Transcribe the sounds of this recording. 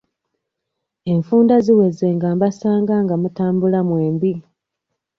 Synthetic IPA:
e̞ɱfuːndaziweze̞ːŋɡaːmbasaːŋɡaŋɡamutaːmbulamwe̞ːmbi

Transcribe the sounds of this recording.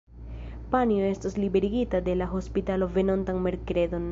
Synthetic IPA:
panioe̞stoslibe̞ɾiɡitade̞laɦo̞spitalo̞ve̞no̞ntaŋme̞ɾkɾe̞do̞n

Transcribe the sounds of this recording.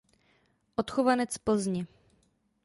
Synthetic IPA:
ʔot̪xovanɛt͡spl̩zɲɛ

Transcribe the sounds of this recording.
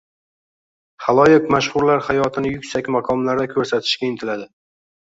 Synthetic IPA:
χalˠɒjɪqmaʃχʊɾlaɾχajɒt̪ʰɪnɪjʊkʲsakʲmaqʰɒmlaɾd̪akʲʰɵɾsat̪ʰɪ̥ʃkʲaɪnt̪ʰɪlad̪ɪ

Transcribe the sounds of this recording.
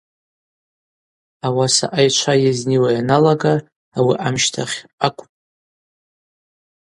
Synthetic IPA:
awasa̰ʔajt͡ʃʷʰajazniwajanalaɡaː | wiʔamʃtʰaχʲakʷʼpʼ

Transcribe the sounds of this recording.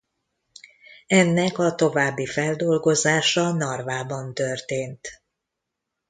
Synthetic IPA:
ɛnːɛkɒt̪o̞vaːbːifɛld̪o̞lɡo̞zaːʃɒnɒrvaːbɒnt̪ørt̪eːnt̪

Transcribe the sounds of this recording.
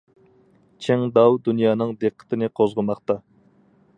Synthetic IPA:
t͡ʃʰeŋd̪ɑwd̪unjɑːnɨŋd̪eqʰːə̥t̪ʰɪnɨqʰozʁəmɑqt̪ɑ

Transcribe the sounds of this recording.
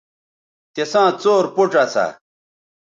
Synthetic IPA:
t̪esãːt͡soːɾpuʈ͡ʂɐsa̰

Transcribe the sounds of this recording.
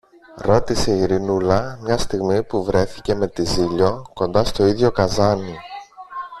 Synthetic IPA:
ɾo̞t̪ise̞iɾinulɐmɲɐst̪iɣmipuvɾe̞θice̞me̞t̪iziʎo̞ko̞nd̪ɐst̪o̞iðʝo̞kɐzɐni

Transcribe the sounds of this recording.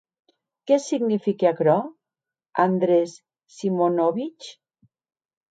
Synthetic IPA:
kɛsiɣnifikeakɾɔ | and̪ɾesː | imonoβit͡ʃ

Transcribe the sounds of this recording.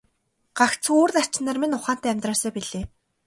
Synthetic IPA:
ɢ̥akt͡sʰoːrt̪ḁt͡ɕɪ̆nə̆ːrmenʊχaːn̥t̪æːmʲt̪rɔːsœːpiɮeː

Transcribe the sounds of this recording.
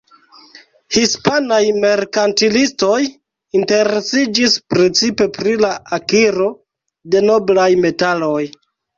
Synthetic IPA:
hispanajme̞ɾkantilisto̞j | inte̞ɾe̞sid͡ʒispɾet͡sipe̞pɾilaakiɾo̞ | de̞no̞blajme̞talo̞j

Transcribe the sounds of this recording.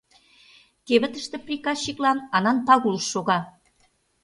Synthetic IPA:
keβə̆t̪ə̆ʃt̪ĕprikɑʃːiklɑnɑnɑnpɑɣuləʃːoɣɑ

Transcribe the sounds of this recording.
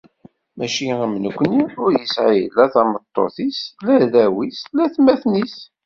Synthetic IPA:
mæʃiæmnəkʷːniʊɾjəsʕijə̰lːæθɑmət̪ˤːo̰θislæðæwislæθmæθnis

